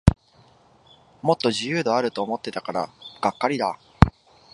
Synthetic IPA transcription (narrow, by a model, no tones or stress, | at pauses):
mo̞t̪ːo̞ʑijɯ̟ːd̪o̞aɾɯ̟t̪o̞ːmo̞t̪ːe̞t̪akaɾa̰ɡ̥akːaɾʲid̪a̰